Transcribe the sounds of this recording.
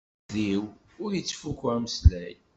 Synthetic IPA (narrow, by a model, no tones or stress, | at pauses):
ðiw | ʊɾjət͡sːfukːæməslæj